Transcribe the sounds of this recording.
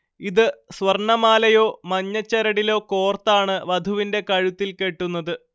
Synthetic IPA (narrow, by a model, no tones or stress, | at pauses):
iðɨsʋɐrɳɐmaːlɐjo̞ːmɐɲːɐt͡ɕːɐɾɐɽilo̞ːko̞ːrt̪ːaːɳɨʋɐd̪ʱuʋinde̞kɐɻut̪ːilke̞ʈːunːɐðɨ